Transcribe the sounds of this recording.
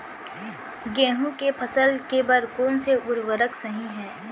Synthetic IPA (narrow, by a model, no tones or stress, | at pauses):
ɡɛ̃ːɦũkepʰɐsəlkebɐɾkoːnseʔʊɾʋəɾəksɐɦĩɦɛː